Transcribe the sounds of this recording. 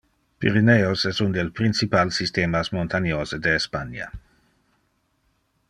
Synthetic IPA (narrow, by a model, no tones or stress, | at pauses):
pḭɾineosɛsund̪elpɾinsipalsist̪eːmasmont̪anjoːzed̪eːspanja̰